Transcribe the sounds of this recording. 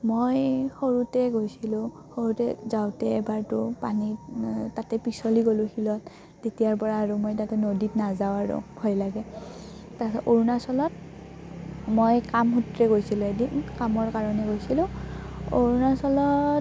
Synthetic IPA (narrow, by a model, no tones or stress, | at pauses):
mojxoɹutɛɡojsilʊ̃ | xoɹutɛzaʊtɛːbaɹtʊpanitatɛpisɔliɡolʊ̃xilɔt | tetijaɹpɔɹaːɹʊmojtatɛnoditnazaʊaɹʊ̰hɔjlaɡɛ | taʔoɹunasɔlɔt̚ | mojkamɦutɹɛɡojsilʊedikamɔɹkaɹɔnɛɡojsilʊ̃o̰ɹunasɔlɔ